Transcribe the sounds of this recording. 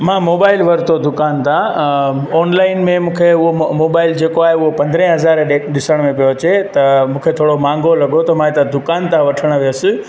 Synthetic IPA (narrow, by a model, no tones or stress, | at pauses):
mãmoːbaːɪlʋɐɾt̪ʰod̪ʊkaːnt̪ã | ɔːnlaːɪnmẽmũːkʰeʊɦomoːbaːɪld͡ʑeːkoaːɦeʊɦopɐ̃nd̪ɾẽɦɐzaːɾɗɪsəɽ̃mẽpijoɐt͡ɕet̪ɐmũːkʰet̪ʰoːɽomãːŋ̆ɡolɐɡot̪ɐmãːet̪ɐd̪ʊkaːnt̪ãʋɐʈʰəɽ̃ʋijəsɪ